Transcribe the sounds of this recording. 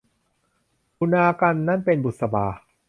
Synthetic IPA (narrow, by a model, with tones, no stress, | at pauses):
kʰu˧naː˧ka˧nːa˥˩˨npe˧nbu˨˩t̪̚sa˧baː˧